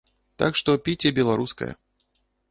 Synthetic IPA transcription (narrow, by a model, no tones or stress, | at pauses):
t̪akʂt̪ɔpʲit͡sʲɛbʲɛlˠaɾuskɐ̰jɐ̰